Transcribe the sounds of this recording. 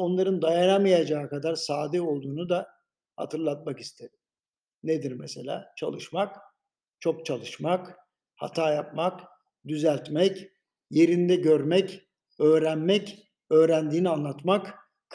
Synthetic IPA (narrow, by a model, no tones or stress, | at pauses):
o̞nlˠaɾɯnd̪ajanamijad͡ʒaːkad̪aɾsaːd̪ɛo̞lˠd̪uːnud̪a | ha̰t̪ʰɯɾlˠat̪̚maki̥st̪ʰed̪im | ned̪iɾmese̞lʲa̰ːt͡ʃʰa̰lˠɯʃmak | t͡ʃʰo̞k̚t͡ʃʰalˠɯʃmak | ha̰t̪ʰaːjap̚mak | d̪yzælʲt̪mɛc | je̞ɾind̪ɛɟøɾmɛc | ø̞ːɾænmɛc | ø̞ːɾænd̪iːnianlˠat̪mak